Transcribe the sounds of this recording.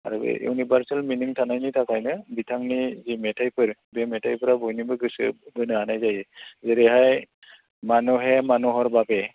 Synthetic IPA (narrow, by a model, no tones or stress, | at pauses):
a̰ɹṵṵnibaɹsalminiŋtʰanajnitʰakajnɯbitʰaŋnizimɛtʰajpɯɹbɛmɛtʰajpʰɯɾabɔjnibɯɡɯsɯbɯnɯanajzajɛzeɾiɦaj | manuɦɛmanuɦɔɹbapɛ